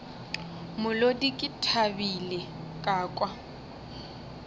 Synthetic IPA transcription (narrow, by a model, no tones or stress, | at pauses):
mʊlodikʼɪtʰabile | kʼaːkʼwa